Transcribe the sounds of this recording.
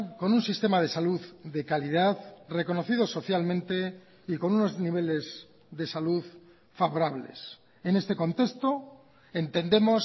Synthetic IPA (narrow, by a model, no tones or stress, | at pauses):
konunsist̪e̞mað̞e̞saluððe̞kaliðaðre̞ko̞no̞θiðo̞so̞θjalmẽ̞nt̪e̞ | iko̞nuno̞zniβ̞e̞le̞z | ðe̞saluð | faβo̞ɾaβ̞lḛs | ene̞st̪e̞ko̞nt̪e̞st̪o̞ | e̞nt̪e̞nd̪e̞mo̞s